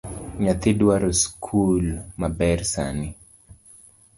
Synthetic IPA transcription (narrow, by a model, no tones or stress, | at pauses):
ɲat̪idwaɾoskʰulmabɛrsa̰nɪ